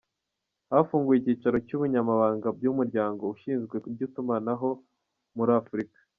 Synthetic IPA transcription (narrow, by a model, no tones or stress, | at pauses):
hafuːŋɡujiciːt͡ʃaɾo̞cuːβuɲamaβaːŋɡab̚ɟumuɾɟaːŋɡo̞uʃiːnzɡwe̞kub̚ɟitumanaɦo̞ | muɾaːfuɾikḁ